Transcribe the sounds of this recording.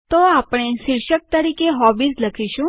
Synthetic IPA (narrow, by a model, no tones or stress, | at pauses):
t̪oapɳ̃eʃiɾʃək̚t̪əɾikeɦɔbisləkʰiʃũ